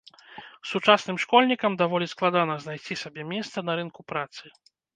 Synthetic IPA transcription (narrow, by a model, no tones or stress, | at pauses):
sut͡ʂasnɨmʂkɔlʲnʲikɐmd̪avɔlʲisklˠad̪anɐznajsʲt͡sʲisabʲɛmʲɛst̪sɐnɐɾɨnkupɾat̪sɨ